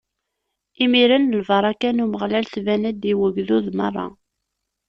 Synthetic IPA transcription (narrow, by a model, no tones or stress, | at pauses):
imiɾənəlvɑɾˤɑkænuməʁlælθvænæd̪iwəɡðuðmɑ̰rˤːɑ̰